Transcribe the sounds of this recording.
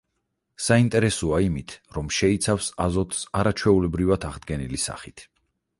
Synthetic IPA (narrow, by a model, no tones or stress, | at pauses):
saint̪ʼɛɾɛsuaimit̪ʰɾɔmʃɛit̪sʰafsazɔt̪ʰsaɾat͡ʃʰwɛulɛbɾivat̪ʰaʁd̪ɡɛnilisa̰χit̪ʰ